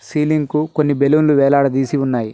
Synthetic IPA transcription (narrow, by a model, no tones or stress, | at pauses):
siːliŋɡkukonːibelumluʋɛːlaːɽɐd̪iːsiunːaːji